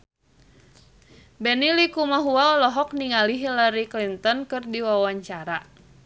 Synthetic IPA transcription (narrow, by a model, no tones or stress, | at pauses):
bɛnilikumaɦuaɔlɔɦɔk̚niŋaliɦilaɾiklint̪ɔnkɨrdiwawaɲt͡ʃaɾa